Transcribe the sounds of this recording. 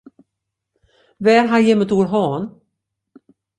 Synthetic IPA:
vɛːɾɦanjɛmːət̪uːɾɦɔːn

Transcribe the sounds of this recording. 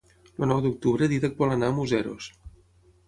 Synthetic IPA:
lənɔwd̪uk̚t̪uβɾəðiðək̚bɔlənaəmuzɛɾo̰s

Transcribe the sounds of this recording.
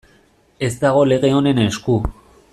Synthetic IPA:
e̞zt̪aɣ̞o̞le̞ɣe̞o̞ne̞nesku

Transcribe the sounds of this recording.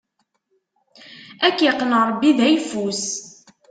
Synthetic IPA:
ækːjəqːnəɾˤbːiðæjfus

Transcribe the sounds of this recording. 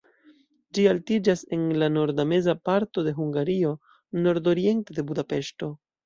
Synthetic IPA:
d͡ʒialtid͡ʒase̞nlano̞ɾdame̞zapaɾto̞de̞ɦuŋɡaɾio̞ | no̞ɾdo̞ɾie̞nte̞de̞budape̞ʃto̞

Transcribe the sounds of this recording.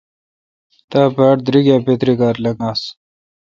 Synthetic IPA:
t̪aːpaːʈd̪ɾiɡaːpet̪ɾikaːɾlɐŋɡaːs

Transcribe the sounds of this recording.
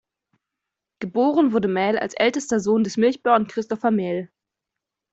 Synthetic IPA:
ɡ̥əboːʁənvʊɐdəmɛːla̰lsʔɛltəstɐzoːndɛsmɪlçb̥œɐnkʁ̥ɪstɔfɐmɛːl

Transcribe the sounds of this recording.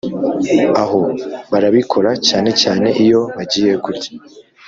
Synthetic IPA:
aɦo̞βaɾaβikʰo̞ɾacaːne̞caːne̞ʔijo̞βaɟiːje̞ɡuɾɟḁ

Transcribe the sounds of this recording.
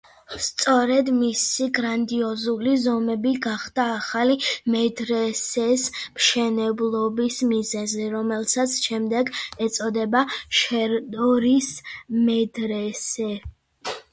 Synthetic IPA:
st̪sʼɔɾɛd̪misiɡɾand̪iɔzulizɔmɛbiɡaχd̪̥aːχalimɛd̪ɾɛsɛsmʃɛnɛblˠɔbismizɛzɛɾɔmɛlˠsat̪sʰʃɛmd̪ɛɡɛt̪sʼɔd̪ɛbaʃɛɾd̪ɔɾismɛd̪ɾɛsɛ

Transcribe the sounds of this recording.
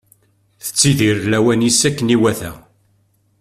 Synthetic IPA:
θə̥t͡sːiðiɾlæwænisækːəniwæθæ̰

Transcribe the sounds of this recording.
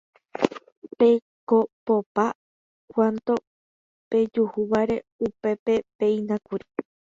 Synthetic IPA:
pe̞ | kopopa | kʷant̪o̞ | pe̞d͡ʒuhuʋaɾe̞upe̞pe̞pe̞ĩnãkuɾi̥

